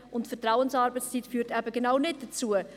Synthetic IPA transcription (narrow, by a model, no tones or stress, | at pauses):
ʊntfɛtɾawənsɑːɾbət͡sst͡sitfyːɾtæbəɡenaʊnɪt̚d̥ət͡suə